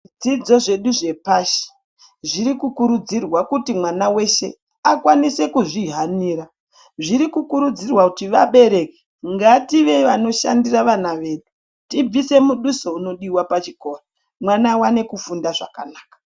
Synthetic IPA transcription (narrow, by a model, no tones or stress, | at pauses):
d͡zid͡zo̞ʐe̞ɗuʐe̞paʃi̥ | ʐiɾikukuɾud͡zirwakutimwanawe̞ʃe̞̰ | akwanise̞kuʐiɦaniːra | ʐiɾikukuɾud͡zirwakutiʋaɓe̞ɾe̞ke | ŋɡatiʋe̞ʋano̞ʃa̰ndiraʋanaʋe̞ɗu | tib͡vise̞muɗuso̞uno̞ɗiwapat͡ʃiko̞ːra | mwanawane̞kufundaʐa̰kanaːkḁ